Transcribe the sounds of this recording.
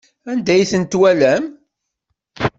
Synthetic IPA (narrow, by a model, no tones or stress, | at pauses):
ænd̪æjθənt̪wælæm